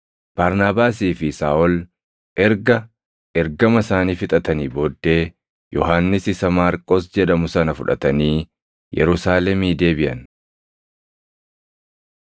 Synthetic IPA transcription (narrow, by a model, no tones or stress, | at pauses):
b̥aːɾnaːbaːs̬iːfɪsaːʔɔl | ɛɾɡɐ | ɛɾɡɐmɐsaːniːfɪt̪ʼɐt̪ɐniːboːd̪ːe̞ː | jʔɔɦaːnːɪsɪsɐmaːɾkʼːɔsd͡ʒɛᶑɐmʊsɐnɐfʊᶑɐ̰t̪ɐniː | jɛ̰ɾʊsaːlɛmiːd̪e̞ːbɪʔɐ̰n